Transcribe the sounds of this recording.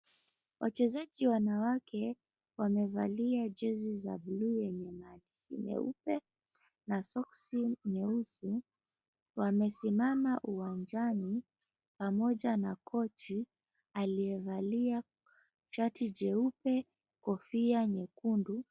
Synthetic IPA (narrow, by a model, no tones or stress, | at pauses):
wʔa̰t͡ʃɛzaʄiwanawakɛ | wamɛva̰liad͡ʒɛziza̰blujɛɲɛmanifḭɲɛ̰ṵpɛ | nasɔksiɲɛusi | wamɛsimamaʔuwand͡ʒani | pamɔʄanakʰɔt͡ʃi | aliɛvalia | t͡ʃatid͡ʒɛupɛ | kɔfiaɲɛkundu